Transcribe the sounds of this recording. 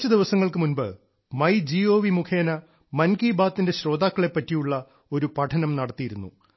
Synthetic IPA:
t͡ɕːɐd̪iʋɐsɐŋːɐɭkɨmunbɨ̰ | mɐjd͡ʑio̞ːʋimukʰe̞ːnɐ | mɐnkiːbaːt̪ːinde̞ɕɾo̞ːd̪aːkːɐɭe̞pːɐtːijuɭːɐ | o̞ɾupɐʈʰɐnɐmnɐɽɐt̪ːijiɾunːṵ

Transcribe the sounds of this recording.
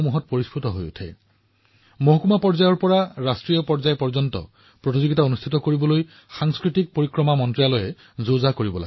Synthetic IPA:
muɦɔt̚poɹispʰɹutɔɦo̰jṵtʰɛ̰ | moɦɔkumapɔɹzajɔɹpɔɹaɹastɹijɔpɔɹzajpɔɹzɔntɔ̰ | pɹotizoɡitaonust̪ʰitɔkoɹibɔloj | xaŋskɹitik̚poɹikɹɔmamɔntɹialojɛ | zozakoɹibɔla̰

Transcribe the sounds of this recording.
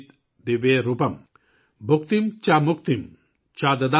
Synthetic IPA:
t̪ | d̪iʋeɾupɐm | bʱuk̚t̪imt͡ʃamukt̪im | t͡ʃad̪ɐd̪a

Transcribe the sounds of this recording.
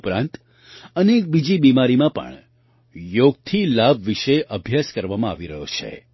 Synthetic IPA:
pɾã̰nt̪ | ənek̚bid͡ʒibimaɾimãpə̰ɳ | joɡ̚t̪ʰilabʋiʃeʔəbʱjaskəɾʋamãaʋiɾəɦo̰t͡ʃʰḛ

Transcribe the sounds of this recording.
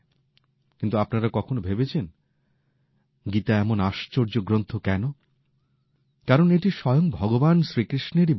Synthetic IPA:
kint̪uapnaɾakɔkʰonobʱebet͡ɕʰen | ɡit̪aɛmonaʃt͡ɕoɾd͡ʑoɡɾont̪ʰokɛno | kaɾoneʈiʃɔjoŋbʱɔɡobanʃɾikɾiʃneɾi

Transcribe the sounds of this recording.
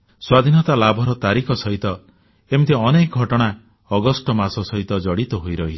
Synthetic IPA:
swad̪ʱinɔt̪alabʱɔɾɔt̪aɾikʰɔsɔɦit̪ɔ | emit̪ʰeɔnekɔɡʱɔʈɔɽ̃a | ɔɡɔsʈɔmasɔsɔɦit̪ɔd͡ʒɔɽit̪ɔɦojɾɔɦi

